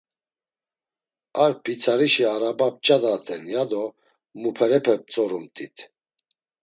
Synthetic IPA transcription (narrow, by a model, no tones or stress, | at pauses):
aɾpʰit͡sʰaɾiʃiaɾabap̚t͡ʃʼad̪at̪ʰɛnjad̪ɔ | mupʰɛɾɛpʰɛp̚t͡sʼɔɾumt̪ʰʼit̪ʰ